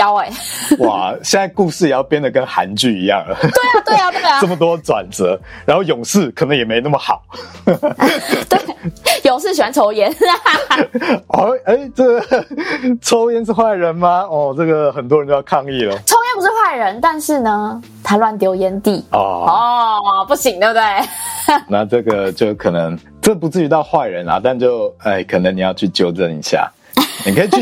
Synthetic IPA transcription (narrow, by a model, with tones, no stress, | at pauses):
ja˨˧˥ʊe˨˩ɪwa̰˨˩ɕjɛ˥˧nt͡sa˥˧ɪku˥˧ʂɻ̩˥˩jɛ˨˩jɑ˥˧ʊpjɛ˥nd̪ə˨˩kə˦nxa̰˧˥nt͡ɕy˥˩ḭ˧˥jɑ̰˥˨˩ŋlə̰˩t̪we˥˩a˨t̪we˥˩a˨t̪we˥˩ɪa˨ə˥˩mə˩t̪̬wɔjʈ͡ʂwa̰˨˩nt͡sɤ˧˥ɻa˧˥nxo˥˩ʊjʊ˨˩ŋʂɹ̩˥˩kʰə˨˩nɤ˧˥ŋjɛ˨˩me˧˥ɪ˨˧na˥˩ə˩xɑ˨˩˦ʊ | t̪we˥˩jʊ˨˩ŋʂ̬ɻ̩˥˩ɕ̬i˨˩wa˧˦nʈ͡ʂʰo˧˥ʊjɛ˧˦n | ə˧˥e˥ɪʈ͡ʂə˥˩ɡə˩ | ʈ͡ʂʰo˧˥ʊjɛ˧˥nʂ̬ɻ̩˥˧xwa˥˩ɪɻə˧˦nma˧ɔ˨˩ʈ͡ʂə˥˩ɡə˩xə˨˩nt̪wɻt͡ɕjo˥˧jɑ˥˧kʰɑ˥˧ŋi˥˩lə˩ʈ͡ʂʰo˧ʊjɛ˧˥npu˧˥ʂɻ̩˥˧xwa˥˩ɪɻə˧˦nt̪a˥˧nʂɻ̩˥˩nə˩ | t̪ʰa˧˥lwa˥˧nt̪jo˧˥ʊjɛ˦nt̪i˥˨˩ɔ̰˨˩ɔ˥˨pu˥˩ɕi˨˩ŋt̪e˧t̪we˥˩ɪna˥˧ʈ͡ʂə˥˩ɡə˩t͡ɕjo˥˨˩ʊkʰə˨˩nə˧˦ŋ | ʈ͡ʂə˥˩pu˧˥t͡sɹ̩˥˩y˧˥t̪ɑ˥˧ʊxwa˥˩ɪɻə˨˦nla̰˨t̪a˥˧nt͡ɕjo˥˨ʊe˥˩ɪkʰə˨˩nə˦ŋni˨˩jɑ˥˧ʊt͡ɕʰy˥˩t͡ɕjo˥˧ʊʈ͡ʂə˨˩nḭ˨˦ɕja̰˩ | ni˨˩kʰə˧˥i˨˩y˥˩